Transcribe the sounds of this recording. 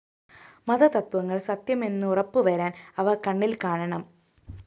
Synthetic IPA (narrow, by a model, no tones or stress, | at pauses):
mɐðɐt̪ɐt̪wɐŋːɐɭsɐt̪jɐme̞nːɨurɐpːɨʋɐɾaːnɐʋɐkɐɳːilkaːɳɐɳɐm